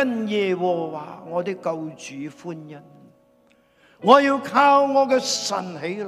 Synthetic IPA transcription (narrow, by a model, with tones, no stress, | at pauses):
ɐ˥njɛː˨wɔː˨˩wa̰ː˨˩ŋɔː˨˧t̪ɪ˥kːɐ˧wt͡ʃyː˨˦fuː˥njɐ˥n | ŋɔː˨˧jiː˧wkʰaː˧wŋɔː˨˧kɛː˧sɐ̰˨˩nɦe˨˥